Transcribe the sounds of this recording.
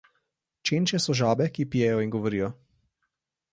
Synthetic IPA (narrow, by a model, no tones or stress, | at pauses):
t͡ʃent͡ʃɛsɔʒaːbɛkipijɛjɔinɡɔʋɔɾiːjɔ